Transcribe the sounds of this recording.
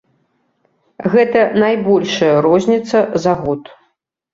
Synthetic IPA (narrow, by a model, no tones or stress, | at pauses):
ɣɛt̪ɐnajbɔlʲʂɐjɐɾɔzʲnʲit̪sɐzaɣɔt̪